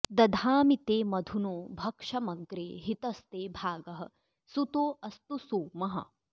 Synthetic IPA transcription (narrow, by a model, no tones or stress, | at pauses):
d̪ɐd̪ʱaːmit̪eːmɐd̪ʱunuːbʱɐkʂɐmɐɡɾeːɦit̪ɐst̪eːbʱaːɡɐɦɐ̰̆ | sut̪oːʔɐst̪usoːmɐɦɐ̰̆